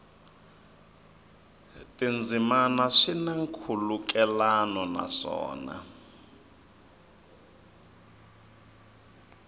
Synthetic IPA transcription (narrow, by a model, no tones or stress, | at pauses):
tʼind͡zʱimanaʂinaŋkʰuluk̬ʼɛlanɔna̰ʂɔ̰ːna̰